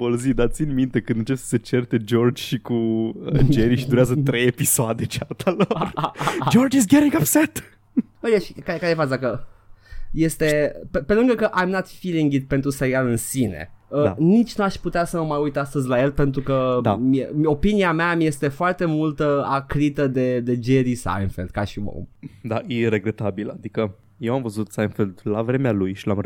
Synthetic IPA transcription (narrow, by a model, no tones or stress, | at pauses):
vəlzid̪at̪t̪sinmint̪e̞kɨnd̪ɨnt͡ʃepsə̥se̞t͡ʃert̪e̞d͡ʒo̞rd͡ʒʃikuəd͡ʒeɾiʃid̪uɾeazət̪ɾejepisoad̪et͡ʃeat̪ʰalord͡ʒord͡ʒisɡʲeɾĩŋɡapsɛt̪ | əaʃikakaɾefat͡ʃd̪akə | je̞st̪e̞pepe̞lɨŋɡəkəʔajmnat̪filiŋɡit̪̚pent̪ɾuseɾialɨnsine̞̰ənit͡ʃʲnuaʃput̪easəməmajujt̪ast̪əzʲlaje̞lpe̞nt̪̬ɾukəd̪miḛmo̞piniameamje̞st̪e̞foart̪e̞mult̪əakɾit̪əd̪e̞d̪e̞d͡ʒeɾisa̰jnfeld̪̚kaʃio̰md̪ajiɾeɡɾet̪abila̰d̪ikə | jewamvəzut̪sajnfeld̪lavɾe̞mealujʃilam